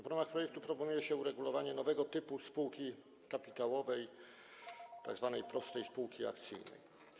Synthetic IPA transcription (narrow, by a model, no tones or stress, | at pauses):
vɾamaxpɾɔjɛk̚t̪upɾɔpɔnujɛɕɛuɾɛɡulɔvaɲɛnɔvɛɡɔt̪ɘpuspuwkʲi | kapʲit̪awɔvɛj | t̪a̰ɡzvanɛjpɾɔsʂt̪ɛjspuwkʲia̰kt̪sɘ̰jnɛ̰j